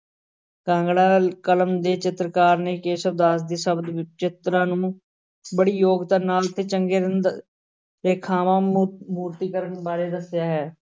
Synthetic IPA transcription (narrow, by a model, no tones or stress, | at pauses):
kãːŋɡɽaːkələmd̪eːt͡ʃɪt̪ɾəkaːɾneːkeːsəbd̪aːs̬d̪iːsəbd̪t͡ʃɪt̪ɾãːnũː | bəɽiːjoːɡt̪aːnaːlt̪ʰːeːt͡ʃəŋɡeːɾɪnd̪ | ɾeːkʰaːmãːmuːɾt̪iːkəɾənbaːɾeːd̪əsjaːɦɛː